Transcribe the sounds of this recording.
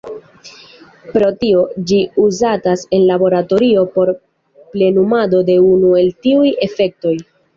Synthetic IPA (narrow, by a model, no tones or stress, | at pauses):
pɾo̞tio̞d͡ʒiuzatase̞nlabo̞ɾato̞ɾio̞po̞ɾ | ple̞numado̞de̞unue̞ltiuje̞fe̞k̚to̞j